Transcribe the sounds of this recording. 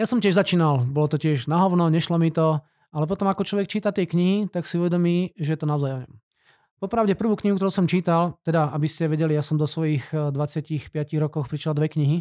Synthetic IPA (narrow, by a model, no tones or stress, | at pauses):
jasɔmcɪɛʒzat͡ʃiːnalbɔlɔt̪ɔcɪɛʒnaɦɔʊnɔɲɛʃlɔmit̪ɔ | alɛp̬ɔt̪ɔmakɔt͡ʃlɔʋɛk̚t͡ʃiːt̪at̪ɪɛkɲiɦit̪aksiuʋɛd̪ɔmiːʒɛjɛt̪ɔnaɔzajɔɲɔm | pɔpɾaʊɟɛpr̩ʋuːkɲiɦukt̪ɔɾuːsɔmt͡ʃiːt̪alt̪ɛd̪aabiscɛʋɛɟɛlijasɔmd̪ɔsʋɔjiɣd̪ʋat͡sɪacixpɪaciɣɾɔkɔxpɾiʃlald̪ʋɛkɲiɦi